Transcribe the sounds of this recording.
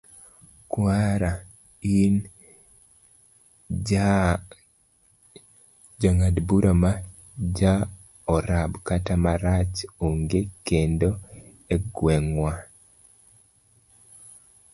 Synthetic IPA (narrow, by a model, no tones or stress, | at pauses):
kwaɾa | in | d͡ʒaŋadbuɾʔama | d͡ʒa | ɔɾabkatamaɾat͡ʃoŋɡekendo | ɛɡwɛŋwa